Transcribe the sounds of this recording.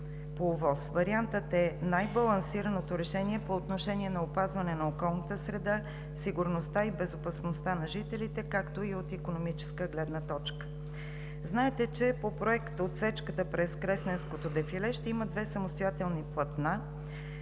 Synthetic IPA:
povɔsvɐɾiant̪ət̪ɛnajbɐlˠɐnsiɾənot̪oɾɛʃɛniɛpoːt̪noʃɛniɛnɐopazvɐnɛnɐokɔlˠnət̪əsɾɛd̪a | siɡʊɾnost̪aibɛzopɐsnost̪anɐʒit̪ɛlit̪ɛkakt̪oiot̪ikonomit͡ʃɛ̥skəɡlɛd̪nət̪ɔt͡ʃkə̥ | znaɛt̪ɛt͡ʃɛpopɾoɛkt̪ot̪sɛt͡ʃkət̪əpɾɛskɾɛsnɛnskot̪od̪ɛfilɛʃt̪ɛiməd̪vɛsəmost̪ojat̪ɛlˠniplˠɐt̪na

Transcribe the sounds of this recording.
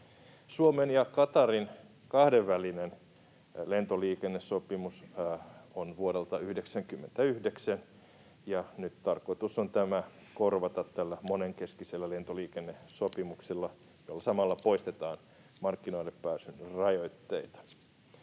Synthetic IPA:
suomenjɑkɑt̪ɑrin | kɑhdeʋːælinen | lent̪oliːkenːesːopimus | onʋuoɾelt̪ɑyhdeksæŋkymːent̪æyhdeksæn | jɑnyt̪t̪ɑrkoit̪usont̪æmæ | korʋɑt̪ɑt̪t̪ælːæmoneŋkeskiselːælent̪oliːkenːesopimuksilːɑ | jolːɑsɑmɑlːɑpoist̪et̪ɑːn | mɑrkːinoilːeppːæːsynrɑjoit̪ːeit̪ɑ̥

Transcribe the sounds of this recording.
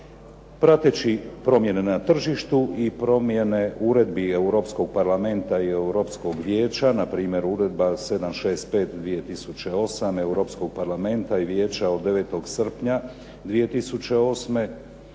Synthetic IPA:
pɾat̪et͡ɕipɾo̞mje̞ne̞nat̪r̩ʒiʃt̪uʔipɾo̞mjeneuɾe̞d̪bieuɾo̞ːpsko̞ɡ̚paɾlame̞nt̪aieuɾo̞ːpsko̞ɡʋjeːt͡ɕanapɾiːmje̞ɾuɾe̞d̪base̞d̪amʃeːst̪̚pe̞ːt̪d̪ʋije̞t̪isut͡ɕe̞o̞same̞wɾo̞psko̞ɡ̥̚paɾlame̞nt̪aiʋjeːt͡ɕaod̪ːeʋe̞ːt̪o̞ɡsr̩pɲa | d̪ʋije̞t̪isut͡ɕe̞o̞sme̞

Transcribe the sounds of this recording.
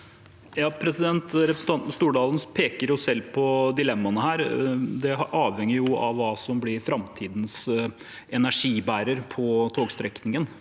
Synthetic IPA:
jɑːpʰɾɛsɪd̪ɛnt̪ɾɛpɾəsn̩t̪ɑnt̪n̩st̪uːɖɑːlənpʰeːkəɾjʊsɛlːpʰɔd̪ɪlɛmːɑnəhæːɾd̪ɛʔɑːʋhɛŋjəɾjʊɑʋːɑːsɔmblɪɾfɾɑmt̪ʰiːd̪n̩s | ɛnæʂiːbæːɾəɾpʰɔt̪ʰoːɡst̪ɾɛknɪŋən

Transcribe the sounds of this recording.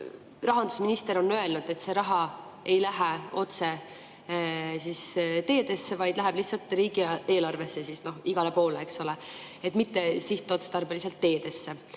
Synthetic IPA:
rɑɦɑnd̪̥u̥sminist̪eɾo̞nːø̞e̞lnud̪̥e̞t̪ːse̞ɾɑɦɑ | e̞jlæɦeo̞t̪se̞ | sist̪e̞ːd̪e̞sːevɑjd̪̥læɦɛb̥liht̪sɑlt̪ˑriːɡ̥ie̞ːlɑrve̞sːesisno̞hiɡ̥ɑle̞po̞ːleekso̞leet̪ːˑmit̪ːe̞siht̪ːˑeo̞t̪set̪ɑrbelis̬elt̪ːe̞ːd̪e̞sːe̞

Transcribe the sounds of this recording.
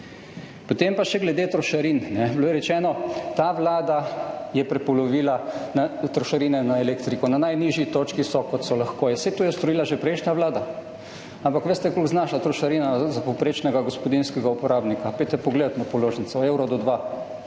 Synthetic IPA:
pot̪empaʃɛɡlɛd̪et̪ɾɔʃaɾinnɛbloːjɛɾɛt͡ʃɛːnɔt̪aːʋlaːd̪ajɛpɾɛpɔlɔʋiːlanat̪ɾɔʃaɾinɛnaelekt̪ɾikɔnanajniʒjit̪oːt͡ʃkisɔkɔt̪sɔlaxkoːjɛset̪oːjɛst̪ɔɾiːlaʒepɾɛɪʃnaʋlaːd̪a | ampakʋeːst̪ɛkolɡznaʃlat̪ɾɔʃaɾinazapowpɾeːt͡ʃnɛɡaɡospɔd̪inskɛɡaupɔɾaːbnikapet̪ɛpɔɡleːd̪at̪napɔloːʒnisɔewɾɔd̪ɔd̪ʋa

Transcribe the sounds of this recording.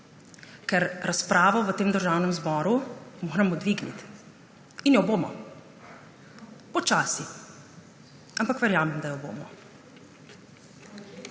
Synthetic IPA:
kɛɾɾʔaspɾaːʋɔʋət̪eːmd̪əɾʒaːwnɛmzbɔːɾumoːɾɛmɔd̪ʋiːɡnḭt̪ | injɔboːmɔ̰ | pɔt͡ʃaːsi | ampakʋɛɾjaːmɛmd̪ajɔbo̰ːmɔ

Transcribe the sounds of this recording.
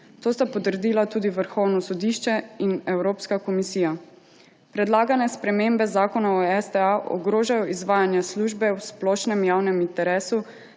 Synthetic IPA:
t̪oːst̪apɔt̪əɾd̪iːlat̪uːd̪iʋəɾxɔwnɔsɔd̪iːʃt͡ʃɛinɛwɾoːpskakɔmisiːja | pɾɛd̪laːɡanɛspɾɛmembɛzaːkɔnaɔɛsd̪ɛaʔɔ̰ɡɾoːʒajɔʔizʋaːjanjasluːʒbɛwsplɔːʃnɛmjaːwnɛmint̪ɛɾɛːsu

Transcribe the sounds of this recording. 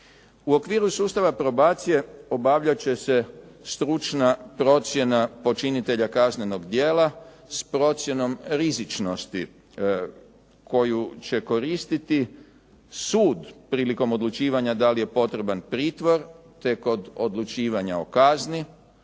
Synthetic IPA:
uo̞kʋiːɾusuːst̪aʋapɾo̞baːt̪sije̞o̞baʋʎat͡ɕe̞se̞st̪ɾut͡ʃnapɾo̞t̪sje̞napo̞t͡ʃinit̪e̞ʎakazneno̞ɡd̪jeːla | spɾo̞t̪sje̞no̞mɾizit͡ʃno̞st̪ḭ | kʰo̞jut͡ɕe̞ko̞ɾiːst̪it̪i | suːd̪pɾiːliko̞mo̞d̪lˠut͡ʃiːʋaɲad̪alije̞po̞t̪ɾe̞banpɾiːt̪ʋo̞ɾ | t̪e̞ko̞d̪o̞d̪lut͡ʃiːʋaɲa̰o̞kazni

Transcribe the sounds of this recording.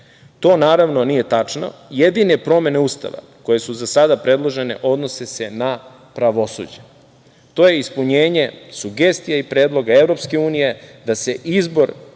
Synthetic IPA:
t̪o̞ːnaːɾaʋno̞nije̞t̪at͡ʂno̰jed̪ine̞pɾo̞me̞ne̞ust̪a̰ʋa̰ | ko̞je̞suzasad̪apɾe̞d̪lˠo̞ʒe̞ne̞̰ʔo̞d̪no̞sese̞na | pɾaʋo̞sṵːd͡ʑḁ | t̪o̞ːje̞ispuɲe̞ːɲe̞suɡest̪ijaipɾe̞ːd̪lˠo̞ɡae̞vɾo̞pske̞uːnije̞d̪ase̞ʔizbo̞ɾ

